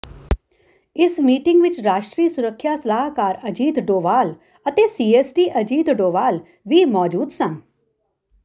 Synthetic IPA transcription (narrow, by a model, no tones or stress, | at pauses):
ɪsmiːʈɪ̃ŋɡʋɪt͡ʃɾaːʃʈɾiːsʊɾəkʰːjaːsəlaːɦkaːɾəd͡ʒiːd̪ɖoːʋaːl | ət̪eːsiːeːsʈiːʔəd͡ʒiːd̪ɖoːʋaːl | ʋiːmɔːd͡ʒuːd̪sən